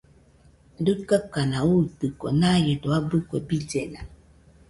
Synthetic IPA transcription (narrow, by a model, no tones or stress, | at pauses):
dutkakanaut̪ɨkonajedoabɨkʷebid͡ʒena